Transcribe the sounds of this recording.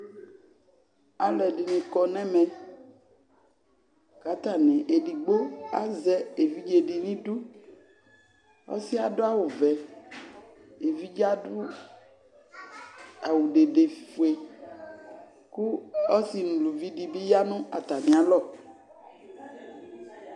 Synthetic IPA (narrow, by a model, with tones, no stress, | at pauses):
a˨lɛ˨ɖi˨nẽ˨kɔ˨nɛ̃˦mɛ̃˨ | ka˨˦t̪a˨nẽ˨ʔe˨ɖi˨ɡ͡bo˦a̰˦zɛ˦e˨vi˦d͡ʒe˨ɖi˨nĩ˦du˦ | ɔ̰˦si˦a˨ɖo˦a˦wu˨vɛ˨ | e˨vi˦d͡ʒa˦ɖu˦ | a˨wu˨ɖe˨ɖe˨fi˨fu˨e˨ | ku˦ɔ˦si˦nũ˨lu˨vi˦ɖi˨bi˦ja˦nũ˦a˨t̪a˨nĩ˨a˨˦lɔ˦˨